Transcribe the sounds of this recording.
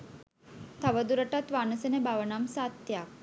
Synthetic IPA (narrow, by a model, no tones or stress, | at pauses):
t̪ʰaʋəd̪uɾəʈat̪ʋanəsənebaʋnamsat̪ːjak